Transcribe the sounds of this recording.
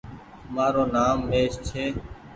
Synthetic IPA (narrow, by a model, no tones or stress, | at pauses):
maːɾoːnaːmːeːst͡ʃʰeː